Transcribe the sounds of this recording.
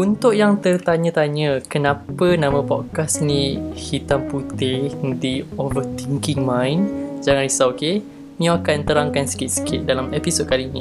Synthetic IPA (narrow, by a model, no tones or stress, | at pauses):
unt̪ʊʔjaŋt̪ərt̪aɲə̃t̪aɲə̃kənãpənãmə̃pɔd̚kasnĩhit̪amput̪ɪd̪iɔlɔt̪iŋkiŋmãjnd͡ʒaŋanrisaoke | nĩəakant̪əɾaŋkansə̥kɪt̪̚sə̥kɪt̪̚dalamepisod̚kalinḭ̃